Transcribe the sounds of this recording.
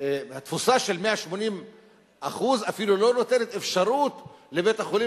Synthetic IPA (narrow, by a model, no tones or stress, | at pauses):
hat̪fusaʃe̞lmeaʃmo̞nim | ʔaχuzafilulo̞no̞t̪e̞ne̞t̪efʃaɾut̪le̞bet̪aχoli